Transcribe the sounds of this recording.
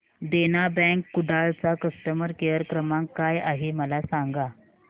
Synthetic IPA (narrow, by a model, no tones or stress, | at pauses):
d̪enabɛ̃ŋkːuɖaɭt͡sakəst̪əməɾkejəɾkɾəmãŋkkːajaɦeməlasaŋɡa